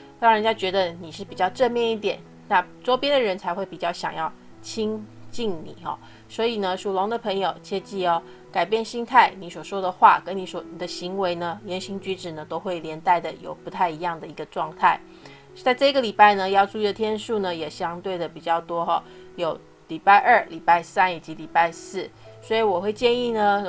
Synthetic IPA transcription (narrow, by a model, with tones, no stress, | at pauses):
t̪ɑ˥ŋɻnt͡ɕja˥t͡ɕɥɛ˧˥d̪ə˧ni˨˩ʂɻ̩˥˩pi˨˩t͡ɕjɑ˥˧ʊʈ͡ʂə˥˧nmjɛ˥˧ni˥˩t̪̬jɛ˨˩˦n | na˥˩ʈ͡ʂo˥ʊpjɛ˥nd̪ə˨ɻə˧˥nt͡sʰa˧˥ɪxwe˥˩ɪpi˨˩t͡ɕjɑ˥˩ʊɕjɑ̰˨˩ŋjɑ˥˩ʊ | t͡ɕʰi˥ŋt͡ɕi˥˩ŋnḭ˨˩˦xɑ̰˨˩ | swɔ˧˥i˨˩nə˧˦ʂu˨˩lo˧˥ŋd̪ə˨pʰə˧˥ŋjo˨˩ʊt͡ɕʰjɛ˥t͡ɕi˥˩ɔ˨˩ | ka˨˩ɪpjɛ˥˩nɕi˥ŋt̪ʰa˥˩ɪni˧˥swɔ˨˩ʂwɔ˥d̪ə˨xwa̰˥˩kə˥nni˧˥swɔ˨˩ni˨˩d̪ə˦ɕi˧˥ŋwe˧˥ɪnə˧ljɛ˧˥nɕi˧˥ŋt͡ɕy˧˥ʈ͡ʂɻ̩˨˩nə˦t̪o˥ʊxwe˥˩ɪljɛ˧˥nt̪a˥˩ɪd̪ə˩jo̰˨˩ʊpu˧˥t̪ʰa˥˩ɪi˧˥jɑ˥˩ŋd̪ə˩i˧˥ɡə˧ʈ͡ʂwɑ˥˧ŋt̪ʰa˥˩ɪ | t͡sa˥˧ɪʈ͡ʂɤ˥˧i˧ɡə˨li˨˩pa˥˩ɪnə˨jɑ˥˧ʊʈ͡ʂu˥˧i˥d̪ə˨˩t̪ʰjɛ˥nʂu˥˩nə˩jɛ˨˩ɕjɑ˥ŋt̪we˥˩ɪd̪ə˩pi˨˩t͡ɕjɑ˥˩ʊt̪wɔ˥xɔ˥˧jo˨˩˦ʊ | li˨˩pa˥˧ɪʔə˞˥˩li˨˩pa˥˩ɪsa˥˦ni˨˩t͡ɕi˧˦˥li˨˩pa˥˧ɪsɹ̩˥˩swɔ˧˥i˨˩wɔ˨˩xwe˥˧ɪt͡ɕjɛ˥˧ni˥˩nə˩